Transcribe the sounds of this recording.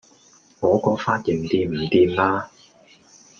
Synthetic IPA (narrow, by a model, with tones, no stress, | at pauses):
ŋɔː˨˥kɔː˨˧faː˧˥t̚jɪ˨˩ŋt̪iː˧mm̩˨˩t̪iː˧mlaː˥